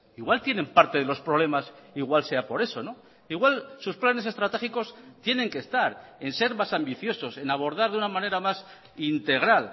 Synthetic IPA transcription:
iɣwalt̪je̞ne̞mpaɾt̪e̞ðelo̞spɾoβle̞masiɣwalse̞apo̞ɾe̞so̞no̞ | iɣwalsusplane̞sest̪ɾat̪e̞xiko̞st̪je̞nẽ̞ŋke̞st̪aɾe̞nse̞ɾmasambiθjo̞so̞se̞naβ̞o̞ɾð̞aɾðunamãne̞ɾamas | int̪e̞ɣɾal

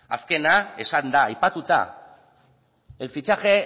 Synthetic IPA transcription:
a̰ske̞nae̞sand̪aːjpat̪ut̪a̰ | elfit͡ʃaxe̞

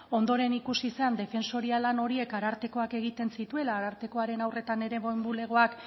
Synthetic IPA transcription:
o̞nd̪o̞ɾe̞nikusiseand̪e̞fe̞nso̞ɾialano̞ɾie̞kaɾaɾt̪e̞ko̞ake̞ɣit̪e̞nsit̪ue̞laːɾaɾt̪e̞ko̞aɾe̞nawre̞t̪ane̞ɾe̞βombule̞ɣ̞o̞ak

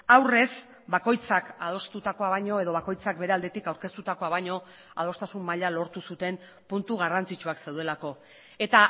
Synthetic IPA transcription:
awre̞s | bako̞jt͡sakað̞o̞st̪ut̪ako̞aβajɲo̞e̞ðo̞βako̞jt͡sak̚be̞ɾe̞ald̪e̞t̪ikawɾke̞st̪ut̪ako̞aβajɲo̞ | a̰ð̞o̞st̪asumːaʎalo̞ɾt̪usut̪e̞m | punt̪uɣ̞arant͡sit͡ʃuakse̞wðe̞lako̞ | e̞t̪a

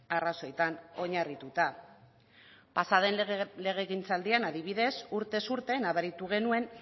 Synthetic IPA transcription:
araso̞et̪ano̞ɲarit̪ut̪a | pasaðe̞nle̞ɣ̞e̞ɣint͡sald̪ianaðiβ̞iðe̞suɾt̪e̞suɾt̪e̞naβeɾit̪uɣ̞e̞nue̞n

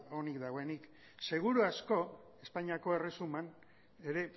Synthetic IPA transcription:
o̞nikd̪aɣ̞o̞e̞nik | se̞ɣ̞uɾuasko̞ | e̞spaɲiako̞e̞resuman | e̞ɾe̞

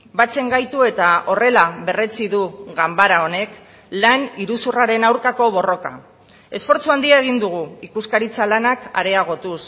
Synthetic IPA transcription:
bat͡se̞ŋɡajt̪ue̞t̪ao̞re̞laβe̞re̞t͡siðuɣambaɾao̞ne̞k | laniɾusuraɾe̞nawɾkako̞β̞o̞ro̞ka̰ | e̞sfo̞ɾt͡suand̪iaeɣ̞ind̪uɣ̞uikuskaɾit͡salanaka̰ɾe̞aɣ̞o̞t̪us

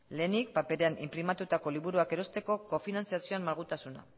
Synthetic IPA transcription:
le̞ːnik̚pape̞ɾe̞anʔḭmpɾimat̪ut̪ako̞liβuɾuake̞ɾo̞st̪e̞ko̞ko̞finant͡siasioammaɾɣ̞ut̪asuna̰

